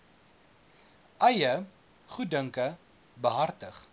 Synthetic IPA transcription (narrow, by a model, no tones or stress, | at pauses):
ʔɐjə | χutdəŋkə | bəɦɐrtəχ